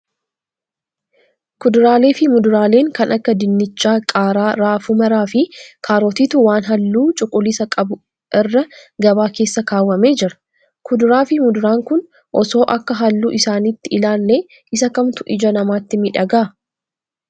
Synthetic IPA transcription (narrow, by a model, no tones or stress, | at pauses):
kʊd̪ʊɾaːle̞ːfɪmʊd̪ʊɾaːle̞ːŋkɐnʔɐkːɐd̪ɪnːɪt͡ʃːaːkʼaːɾaːɾaːfʊmɐɾaːfɪkʰaːɾɔːt̪iːt̪ʊwaːnɦɐlːuːt͡ʃʼʊkʼːʊlɪsɐkʼɐbʊ | ʔɪrːɐɡɐbaːke̞ːsːɐkaːwːɐme̞ːd͡ʒɪɾɐ̥ | kʊd̪ʊɾaːfɪmʊd̪ʊɾaːŋkʊn | ʔɔso̞ːʔɐkːɐɦɐlːuːʔɪsaːniːt̪ːɪɪlaːlːeː | ʔɪsɐkɐmt̪ʊʔɪd͡ʒɐnɐmaːt̪ːɪmɪᶑɐɡaː